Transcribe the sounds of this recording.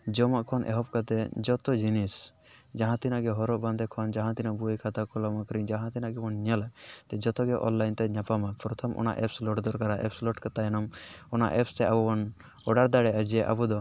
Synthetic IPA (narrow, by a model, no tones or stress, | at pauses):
d͡ʒɔmaʔkʰɔnʔɛ̰ɦɔp̚kat̪ɛd͡ʒɔt̪ɔd͡ʒinisd͡ʒaɦãt̪inaʔɡɛɦɔɾɔʔband̪ɛkʰɔnd͡ʒaɦãt̪inaʔbukʰat̪akɔlɔmakɔɾid͡ʒaɦãt̪inaʔɡɛmɔnɲɔlat̪ɛd͡ʒɔt̪ɔɡɛʔɔ̰nlajnt̪ɛɲapamapɾɔt̪ʰɔmʔɔ̰na̰ʔɛpslɔʈd̪ɔɾkaɾaʔɛ̰pslɔʈkat̪ajnɔmɔna̰ʔɛpst̪ɛabɔbɔn | ɔɖaɾd̪aɽɛʔad͡ʒiɛʔa̰bud̪ɔ